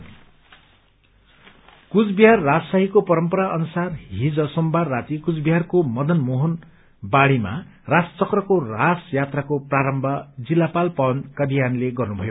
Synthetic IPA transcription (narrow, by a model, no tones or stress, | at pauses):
kud͡zbiɦarːad͡zʌsaɦikopʌɾʌmpʌɾaʔʌnusarɦid͡zʌsʌmbarːat̪ikud͡zbiɦarkomʌd̪ʱʌnmoɦʌn | baɽima̰ | rast͡sʌkrʌkorasjat̪rakopraɾʌmbʱʌd͡zilːapalpʌʌnkʌd̪ʱijanleɡʌrnubʱʌjo